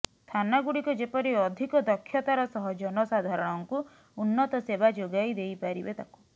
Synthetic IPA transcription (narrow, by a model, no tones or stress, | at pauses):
t̪ʰanaɡuɽikud͡ʒepɔɾiɔd̪ʱikɔd̪ɔkʰːjɔt̪aɾɔsɔɦɔd͡ʒɔnɔsad̪ʱaɾɔɽ̃ɔŋku | unːɔt̪ɔsebad͡ʒoɡajd̪ejpaɾibet̪aku̥